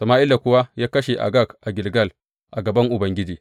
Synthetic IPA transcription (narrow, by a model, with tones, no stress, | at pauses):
sɐ˨maː˦ʔɪ˦lda˨kʷʊ˦wa˦jaː˦kɐ˦ʃe˨ʔa̰˨ɡa˦˨kʔa˨ɡʲɪ˨lɡɐ˦˨l | ʔa˨ɡɐ˨bɐ˦ŋʔʊ˨bɐ˦ŋɡʲɪ˦d͡ʒiː˦